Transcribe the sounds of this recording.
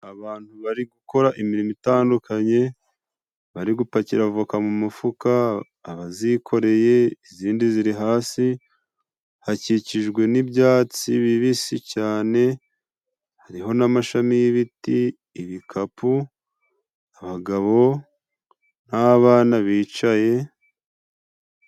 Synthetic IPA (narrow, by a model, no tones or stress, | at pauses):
aβaːn̥huβaɾiɡuko̞ɾaʔimiɾimitaːndukʰaɲe̞ | βaɾiɡupaciɾaβavukamumufukaː | βazikʰo̞ɾe̞je̞iziːndiziɾiɦaːsi | haciciʒɡwe̞nibɟaːt͡siβiβisicaːne̞ | haɾiɦo̞namaʃamijiβitiː | βikʰapu | aβaɡaβo̞ | naβaːnaβiːt͡ʃaje̞